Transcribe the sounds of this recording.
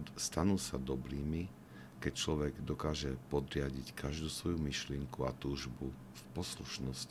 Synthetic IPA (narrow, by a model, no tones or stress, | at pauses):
st̪anuːsad̪ɔbɾiːmi | kɛc̚t͡ʃlɔʋɛɡd̪ɔkaːʒɛpɔd̪ɾɪaɟickʰaʒd̪uːsʋɔjumiʃlɪɛŋkuat̪uːʒbu | fpɔsluʃnɔsc